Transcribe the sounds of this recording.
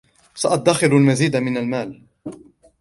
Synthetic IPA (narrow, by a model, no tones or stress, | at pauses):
saʔat̪̚d̪ːaxɪlalmaziːd̪amɪnalmaːl